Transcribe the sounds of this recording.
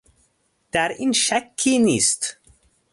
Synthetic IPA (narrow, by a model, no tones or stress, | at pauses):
d̪̥æɾinʃækʰːinist̪